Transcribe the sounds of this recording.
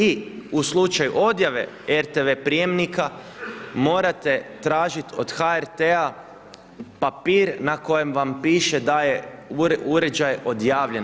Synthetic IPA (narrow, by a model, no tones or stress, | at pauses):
iuslut͡ʃajṵʔo̞d̪jaʋe̞̰ | eɾt̪eʋe̞pɾije̞mnika | mo̞ːɾat̪e̞t̪ɾaːʒit̪o̞d̪̥xaeɾt̪ea | papiːɾnako̞je̞mʋampiːʃe̞d̪aje | uɾe̞d͡ʒajo̞d̪jaːʋʎe̞n